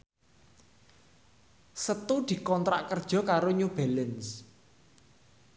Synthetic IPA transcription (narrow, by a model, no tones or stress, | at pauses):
sət̪ud̪̥i̤kɔnt̪ɾaʔkərd̥ʒ̥ɔ̤kaɾoɲub̥e̤ləns